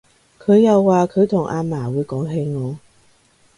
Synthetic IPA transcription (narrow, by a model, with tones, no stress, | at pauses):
kʰɵ˨˧ɥjɐ˨˧wːaː˨˧kʰɵ˨˧ɥt̪ʰʊ˨˩ŋʔaː˧maː˨˩wuː˨˧˥jkɔː˨˥ŋɦe˨˧˥jŋɔː˨˧